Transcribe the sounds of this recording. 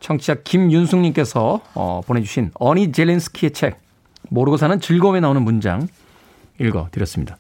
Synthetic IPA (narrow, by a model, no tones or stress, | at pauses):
t͡ɕʰʌŋt͡ɕʰiak̚kimjunsʰuŋɲimk͈e̞sʰʌʌ̰ponɦe̞d͡ʑuɕʰinʌnid͡ʑe̞lensʰɯ̥kʰiet͡ɕʰe̞k̚ | moɾɯɡos̬ʰanɯnt͡ɕɯɭɡome̞naonɯnmund͡ʑa̰ŋ | iɭɡʌ̰tɯɾjʌs͈ɯmɲid̥a